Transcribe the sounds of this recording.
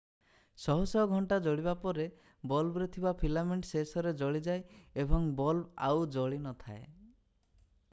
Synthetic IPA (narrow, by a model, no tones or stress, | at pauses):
sɔɦɔsɔɦɡʱɔɳʈad͡ʒɔɭibapɔɾe | bɔlbɾet̪ʰibapʰilameɳʈsesɔɾed͡ʒɔɭid͡ʒaeebɔŋbɔlbawd͡ʒɔɭinɔt̪ʰae